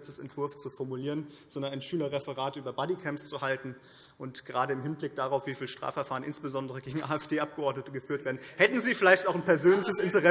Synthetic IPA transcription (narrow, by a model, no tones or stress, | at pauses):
t͡səsɛ̰ntv̥ɪɐft͡sufɔɐmuliːʁən | z̥ɔndɐnaɪnʃyːlɐʁɛfəʁaːtʔyːbɐbadikʰɛmpst͡suhaltn̩ | ʔʊntɡ̥əʁaːdəɪmɦɪnblɪk̚d̥aːʁaʊfv̥iːfiːlʃtʁ̥a̰ːfɛɐfaːʁənʔɪnsb̥əzɔndəʁəɡeːɡŋ̩ʔaːɛfd̥eːʔap̚ɡ̥əʔɔɐdnətəɡəfyːɐtv̥eːɐdn̩hɛtn̩ziːfɪlaɪçtaʊxnpɛɐzøːnlɪçəsɪntəʁɛ